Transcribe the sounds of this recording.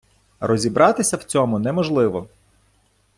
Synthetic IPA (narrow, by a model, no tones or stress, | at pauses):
rɔzʲibɾɑt̪ɪsʲɐwt͡sʲɔmʊnɛmɔʒlˠɪʋɔ